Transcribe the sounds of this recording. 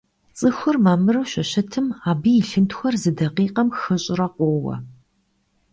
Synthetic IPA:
t͡sʼɨxʷʊrmaːmɨrɨwɕɐɕɐtʰɨmaːbijɪɬɨntxʷɔrzɨdɐqiːqɐmxɨɕʼɪrɐqʷoːwɐ̰

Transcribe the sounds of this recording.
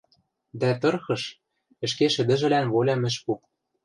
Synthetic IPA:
d̪æt̪ɤ̆rxɤ̆ʃ | ɘ̆ʃkeʃɘ̆d̪ɘ̆ʒɘ̆lænβolʲɑmɘ̆ʃpu

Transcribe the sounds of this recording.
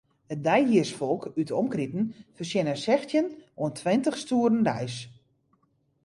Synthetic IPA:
ət̚dɛjɦiərsfɔlˠkytəɔmkritn̩fərsjɪnənsɛxtjənuəntʰʋɪntəxstuəɾn̩dɛjs

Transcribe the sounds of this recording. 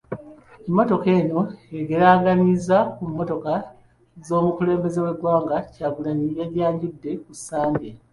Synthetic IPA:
emːo̞to̞ke̞ːno̞eɡe̞ɾaːɡanizakumːo̞to̞ka | zo̞ːmukule̞ːmbe̞ze̞we̞ɡwaːŋɡacaːɡulaɲijeɾjaːɲɟudːe̞kusaːɲɡe

